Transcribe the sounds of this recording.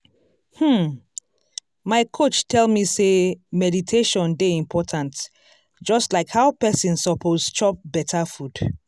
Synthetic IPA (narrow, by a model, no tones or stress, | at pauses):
hm̩ | maɪkʰot͡ʃtʰɛlˠmisemɛditʰeʃɔ̃ndeĩmpʰɔtʰãnt | d͡ʒɔstlaɪkhaʊpɛsĩnsɔpʰozt͡ʃɔp̚bɛtʰafud̥